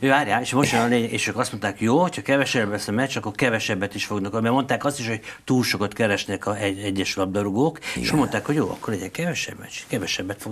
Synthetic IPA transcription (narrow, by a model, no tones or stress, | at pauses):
øːvaːrjaːeʃmoʃɒnleːɲɛɡeːʃøːkɒst̪mo̞nt̪aːkjoːhocʰhɒkɛvɛʃɛblɛsɒmɛt͡ʃːɒkːo̞rkɛvɛʃɛbːɛt̪iʃfo̞ɡnɒkolmɛmo̞nt̪aːkɒst̪iʃho̞ɟ̚t̪uːlʃo̞kot̪kɛɾɛʃnɛkɒɛɛɟːɛʃlɒb̚d̪ɒɾuɡoːkḛʃmo̞nt̪aːkho̞ɟjo̰ːɒ̰kːoɾɛɟɛkɛvɛʃɛ̰bmɛ̰t͡ʃːkɛvɛʃɛbːɛt̪foɡ